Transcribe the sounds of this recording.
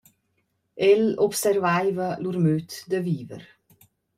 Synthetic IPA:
ɛlɔpsɛrvajvəlurmøt̪d̪əviːvə̰ɾ

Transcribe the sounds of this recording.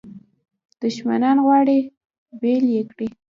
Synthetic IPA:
d̪̥ʊʃma̰nɑnɣwɑɽe | beljekɽi

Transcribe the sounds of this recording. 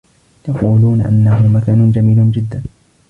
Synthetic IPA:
jɑquːluːnaʔa̰nːaɦʊmakaːnʊnd͡ʒamiːlʊnd͡ʒɪd̪ːan

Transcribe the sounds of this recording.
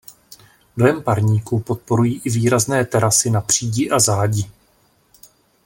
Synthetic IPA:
dojɛmpaɾɲiːkupo̞t̪̚po̞ɾujiːʔɪviːɾaznɛːt̪ɛɾasɪnapr̝̥iːɟɪʔazaːɟɪ

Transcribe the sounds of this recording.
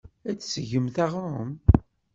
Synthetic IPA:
æt͡sːsəʝəmθæʁɾˤʊm

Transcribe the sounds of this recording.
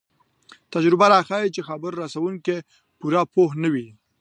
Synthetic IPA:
t̪ad͡ʒɾɪbaɾɑxajit͡ʃexabəɾːasawuŋke | puɾapohnəwi

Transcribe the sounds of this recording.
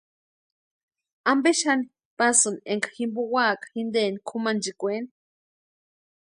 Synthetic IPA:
ambeʃani | pasɨnieŋkḁximbuwaːkḁxind̪eːnikʰumand͡ʒikʷeni

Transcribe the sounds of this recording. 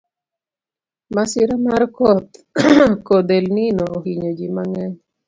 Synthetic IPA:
masiɾamarkɔt̪ | kod̪elninoːhiɲod͡ʒimaŋɛn

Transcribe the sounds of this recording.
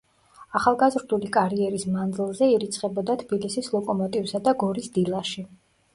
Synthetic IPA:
aχalˠɡazɾd̪ulikʼaɾiɛɾismand̪zilˠzɛiɾit̪sʰχɛbɔd̪at̪ʰbilisislˠɔkʼɔmɔt̪ʼivsad̪aɡɔɾisd̪ilˠaʃi

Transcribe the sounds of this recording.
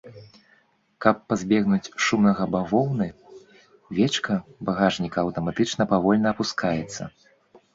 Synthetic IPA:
kɐpːazʲbʲɛɣnut͡sʲʂumnɐɣɐbavɔwnɨ | vʲɛt͡ʂkɐbaɣaʐnʲikɐːwt̪ɐmat̪ɨt͡ʂnɐpavɔlʲnɐːpuskʰajɛt̪sːɐ̰

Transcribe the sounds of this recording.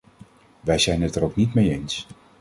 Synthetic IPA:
ʋɛjzɛjnɛtəɾowknitmejejns

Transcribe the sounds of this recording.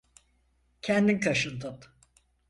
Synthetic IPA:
cʰɛnd̪inkʰaʃɯnt̪ʰɯp̪

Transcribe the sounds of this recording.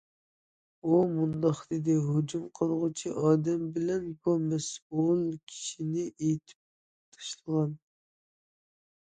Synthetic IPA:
umund̪ɑχd̪ed̪ɪɦod͡ʒumqʰəlˠʁʊt͡ʃʰiʔɑːd̪ɛmbɪlɛnbumɛsulˠkʲʰi̥ʃinɪʔejt̪ʰɪ̥p̚ | t̪ʰɑ̥ʃlˠəʁɑn

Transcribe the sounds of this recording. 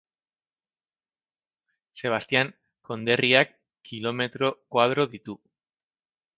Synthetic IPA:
se̞β̞ast̪iaŋ | ko̞nd̪e̞riakː | ilo̞me̞t̪ɾo̞kwað̞ɾo̞ðit̪u

